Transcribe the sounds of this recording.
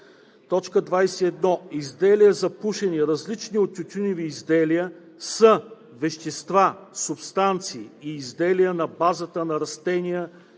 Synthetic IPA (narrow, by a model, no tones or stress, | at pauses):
t̪ɔt͡ʃkəd̪vajsɛɛd̪nɔizd̪ɛlijəzɐpuʃɛniɾɐzlit͡ʃniot̪̚t͡ʃʲːʊt̪ʲunʲiviːzd̪ɛlijə | sə | vɛʃt̪ɛst̪vasʊpst̪ant̪siːiːzd̪ɛlijənɐbazət̪ənɐɾɐst̪ɛnʲijə